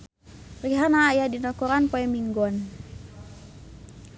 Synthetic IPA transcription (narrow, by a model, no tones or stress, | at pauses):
riɦanaːjadinɔkɔɾanpɔɛmiŋɡɔn